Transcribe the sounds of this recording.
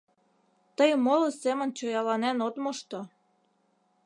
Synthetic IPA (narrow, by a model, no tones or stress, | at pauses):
t̪əjmolosemə̆nt͡ɕojɑlɑnænot̪moʃt̪o